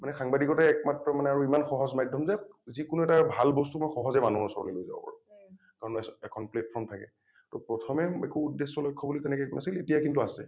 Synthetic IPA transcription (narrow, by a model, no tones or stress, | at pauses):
manɛxaŋbadikɔtɛɛk̚matːɹɔmanɛaɹuimanxɔɦɔzmadʱːɔmzɛzikʊnuɛtabʱalbɔstumɔjxɔɦɔzɛmanuɦɔɹsɔ̰ɹɔ̰lelojza̰bɔ̰pa̰ɹu | kaɹɔnɛkʰɔnpleppʰɹɔnttʰakɛ̰ | tɔpɹɔtʰɔmɛḛkuːdːesɔlɔjkʰːɔbulitɛnɛkɛkunasiletijakintuasɛ̰